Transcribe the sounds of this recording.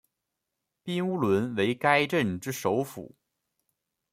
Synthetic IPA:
pi˥nu˥lwə˧˥nwe˧˥ɪka˥ɪʈ͡ʂə˥˩nʈ͡ʂɻ̩˥ʂo˧˥ʊfṵ˨˩˦

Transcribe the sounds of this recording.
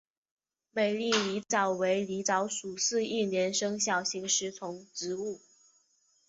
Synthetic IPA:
me˨˩ɪli˥˩li˧˥t͡sɑ˨˩ʊwe˧˥ɪli˧˥ʈ͡ʂɑ˧˥ʊʂu˨˩sɹ̩˥˧i˥˩njɛ˧˥nʂɤ˥ŋɕjɑ˨˩ʊɕi˧˥ŋʂɻ̩˧˥t͡sʰʊ˧˥ŋʈ͡ʂɻ̩˧˥u˥˩

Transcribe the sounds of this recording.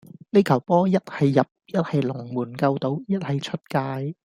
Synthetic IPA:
le˥jkʰɐ˨˩wpɔː˥jɐ˥t̚hɐ˨jːɐ˨p̚jɐ˥t̚hɐ˨jlʊ˨˩ŋmuː˨˩nkɐ˧wt̪o˨˥wjɐ˥t̚hɐ˨jt͡ʃʰɵ˥t̚kaː˧j

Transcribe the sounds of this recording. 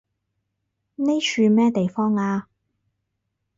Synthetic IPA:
ne˥jt͡ʃyː˧mɛː˥t̪e˨jfɔː˥ŋaː˧

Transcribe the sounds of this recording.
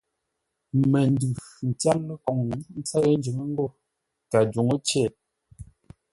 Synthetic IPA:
mɛ˨n˦dʉ˨ | n̩˨ta˦lːkɔ˨ŋ˦n̩˦t͡sa˦ɣə˦n̩˦d͡ʒi˨ŋə˦ŋ̩˦ɡo˦˨ | ta˨d͡ʒo˨ŋo˦t͡ʃɛ˦˨

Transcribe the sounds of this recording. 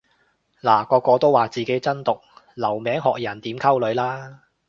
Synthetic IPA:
laː˨˩kɔː˧kːɔː˧t̪o˥waː˨t͡siː˨˩ke˨˥jt͡sɐ˥nt̪ʊ˨k̚lɐ˨˩wmɛː˨˥ŋɦɔ̰ː˨k̚jɐ˨˩nt̪iː˨˥mkʰɐ˥wlɵ˨˧ɥlaː˥

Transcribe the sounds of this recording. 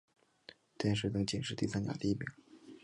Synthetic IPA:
t̪jɛ˥˧nʂɻ̩˥˩t̪ɤ˧˥ŋt͡ɕi˨˩ŋʂɻ̩˥˧t̪i˥˧sa˥nt͡ɕja̰˨˩d̪ə˦i˥˩pḭ˨˩˦

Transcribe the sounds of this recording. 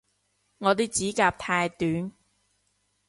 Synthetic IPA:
ŋɔː˨˧t̪̬iː˥t͡siː˨˥kaː˧p̚t̪ʰaː˧jt̪yː˨˥n

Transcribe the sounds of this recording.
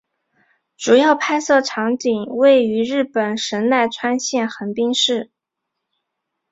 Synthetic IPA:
ʈ͡ʂu˨˩jɑ˥˧ʊpʰa˥ɪsɤ˥˩ʈ͡ʂʰɑ˧˥ŋt̪i˨˩ŋwe˥˩ɪy˧˥ɻɻ̩˥˩pə˨˩nʂə˧˥nna˥˩ɪʈ͡ʂʰwa˥nɕjɛ˥˩nxə˧˥npi˥ŋʂɻ̩˥˩

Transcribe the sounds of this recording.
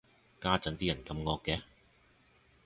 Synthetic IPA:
kaː˥t͡sɐ˨˥nt̪iː˥jɐ˨˩nkɐ˧mŋɔː˧kːɛ˨˧

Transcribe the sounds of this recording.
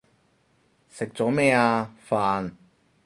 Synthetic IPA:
sɪ˨k̚t͡sɔː˨˥mɛː˥aː˧faː˧n

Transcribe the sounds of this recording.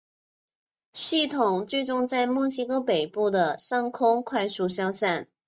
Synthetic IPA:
ɕi˥˩t̪ʰʊ˨˩ŋt͡swi˥˧ʈ͡ʂʊ˥˧ŋt͡sa˥˧ɪmwɔ˥˩ɕi˥kɤ˥pe˨˩ɪpu˥˩d̪ə˩sɑ˥˧ŋkʰʊ˥ŋkʰwa˥˧ɪsu˥˧ɕjɑ˥ʊsa˥˩n

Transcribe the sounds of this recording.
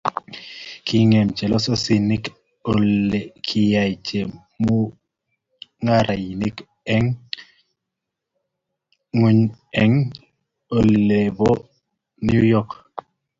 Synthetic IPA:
kʰi˦ŋe˨mt͡ʃe˨lɔ˦sɔ˦si˨ni˦k | ole˨kʰi˨ja˨it͡ʃe˨m | mu˦ | ŋa˦ɾʔa˨i˨ni˦k | ɛ˦ŋ | u˦ɲɛ˦ŋ | o˨le˨bɔ˦ | nju˦jɔ˦k

